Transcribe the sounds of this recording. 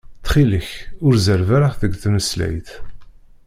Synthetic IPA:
θχiləçʊɾzəɾvæɾəχðəɡθməslæ̰jθ

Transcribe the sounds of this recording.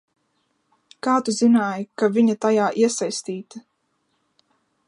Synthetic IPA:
kaːt̪uzinaːjkavʲiɲat̪ajaːʔiɛsajst̪iːt̪a

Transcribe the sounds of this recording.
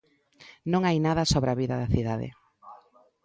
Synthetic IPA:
nõŋajnaðɐsoβɾaβiðɐðɐθiðaðɪ̰

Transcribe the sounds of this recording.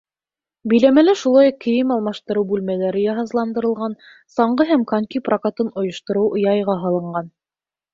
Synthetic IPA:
bɵ̆jlæmælæʃulˠɑjuqkːɘ̆jɘmɑlˠmɑʃt̪ɤ̆ɾɤwbʉlmælæɾɘjɑɦɑzlˠɑnd̪ɤ̆ɾɤ̆lˠʁɑn | sɑɴɢɤɦæmkaŋʲkʲiprakat̪ɤnŏjŏʃt̪ŏɾɤwʔŏjɑjʁɑɦɑlˠɤ̆ɴɢɑn

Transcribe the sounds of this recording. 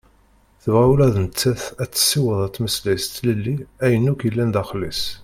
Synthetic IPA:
θəvʁæwlæðənt͡sːæθæt͡sːə̥sːiwəðˤæt͡sːməslæjst̪ləlːiæjənːukəlːænd̪æχlḭs

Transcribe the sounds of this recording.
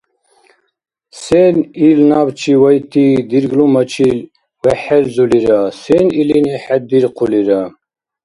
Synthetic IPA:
sɛnilnabt͡ʃʰiwajt̪ʰid̪iɾɡlumat͡ʃʰil | wɛħɛlzuliɾasɛniliniħɛd̪iɾqʰuliɾa

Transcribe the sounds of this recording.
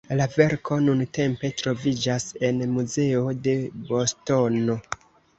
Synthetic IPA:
lave̞ɾko̞nunte̞mpe̞tɾo̞vid͡ʒase̞nmuze̞o̞de̞bo̞sto̞no̞

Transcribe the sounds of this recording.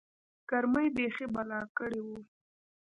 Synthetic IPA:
kaɾməjbexebalɑkəɽewu

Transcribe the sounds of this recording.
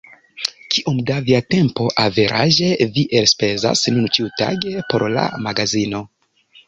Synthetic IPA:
kʰiʔomdaviate̞mpo̞ʔave̞ɾʔaʒe̞viʔelspe̞za̰snunt͡ʃiuta̰ɡe̞po̞ɾla̰maɡazino̞

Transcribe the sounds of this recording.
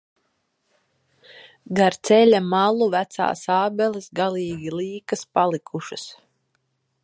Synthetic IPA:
ɡaɾt̪sɛlʲamalˠuvæt̪sa̰ːsaːbɛlisɡaliːɡʲilˠiːkaspalˠikʰuʃɨs

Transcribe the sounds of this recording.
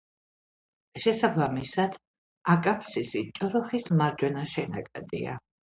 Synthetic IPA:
ʃɛsabamisad̪̥ | akʼant̪sisit͡ʃʼɔɾɔχismaɾd͡ʒwɛnaʃɛna̰kʼad̪ḭa̰

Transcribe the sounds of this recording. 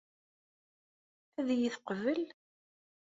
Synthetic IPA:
æðjiθqəvəl

